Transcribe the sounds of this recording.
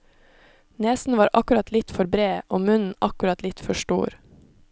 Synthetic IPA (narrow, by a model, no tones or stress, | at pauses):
neːsn̩ʋɑːɾʔɑkʉɾɑt̪ʰlɪt̪fɔɾbɾeːʔoːmʉnn̩ɑkʉɾɑt̪lɪt̪fɔʃʈṵːɾ